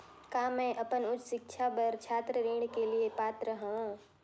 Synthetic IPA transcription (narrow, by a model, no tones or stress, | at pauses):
kaːmɛ̃ʔɐpənʊt͡ʃʃɪkʃʰabɐɾt͡ʃʰaːt̪ɾəɾeːɽ̃keliepaːt̪ɾəɦõ